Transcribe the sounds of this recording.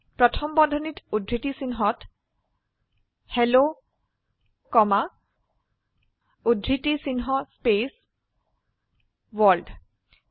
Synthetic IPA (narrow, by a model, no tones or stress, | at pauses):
pɹɔtʰɔmbɔdʱɔnitudʱɹitisinɦɔt | helo | kɔma | udʱɹitisinɦɔspes | wɔlɖ